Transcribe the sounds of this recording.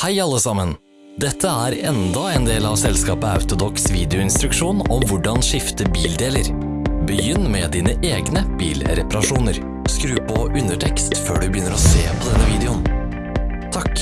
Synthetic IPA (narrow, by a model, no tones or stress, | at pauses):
hæɪɑlːəsɑmən | d̪ɛt̪ʰːəæːɾɛnd̪ɑeːnd̪eːlɑʋsɛlskɑːpəɑ̰ʉt̪ʊd̪ɔksʋiːd̪ɛʊɪnst̪ɾʉkʂuːnɔmʋʊɖɑnʂɪft̪əbiːld̪eːləɾ | bəjʏnːmɛd̪iːnəʔeːɡnəb̥ḭːlɾɛpɑɾɑʂuːnəɾ | skɾʉːpʰɔʔʉnəʈʰɛkst̪fø̰ːɖʉbəjʏnːəɾɔseːpʰɔd̪ɛnːəʋiːd̪ɛʊn | t̪ʰɑk